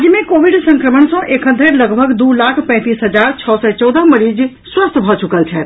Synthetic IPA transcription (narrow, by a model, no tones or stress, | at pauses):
d͡ʒmẽkoʋiɖsə̃ŋkɾəməɳsɔ̃ʔekɦənd̪ʱeɾləɡbʱəɡd̪uːlakʰpɛ̃ːt̪iːsɦəd͡ʒaːɾt͡ʃʰɔːsɛt͡ʃɔːd̪əɦməɾiːd͡ʒ | swəst̪ʰbʱɔt͡ʃukəlt͡ʃʰɛ